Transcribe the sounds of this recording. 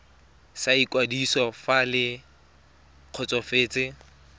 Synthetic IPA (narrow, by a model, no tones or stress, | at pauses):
saikʼwadisɔfalɪ | q͡χʰɔt͡sʼɔfeːt͡sʼɪ